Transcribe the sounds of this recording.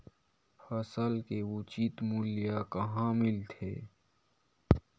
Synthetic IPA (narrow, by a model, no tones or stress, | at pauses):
fɐsəlkeut͡ʃiːt̪mulijakɐɦãmɪlt̪ʰḛː